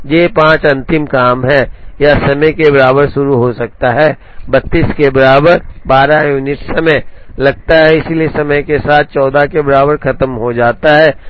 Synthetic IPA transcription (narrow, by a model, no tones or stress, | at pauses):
jeːpãːt͡ʃɐ̃nt̪ɪmkaːmɦɛjasɐməjkebɐɾaːbəɾʃʊɾuɦosɐk̚t̪aɦɛː | bɐt̪ːiːskebɐɾaːbəɾbaːɾajuːnɪʈsɐməjlɐɡ̚t̪aɦɛɪsiliesɐməjkesaːt̪̚ʰt͡ʃɔːd̪akebɐɾaːbəɾkɐt̪əmɦod͡ʒaːt̪aɦɛː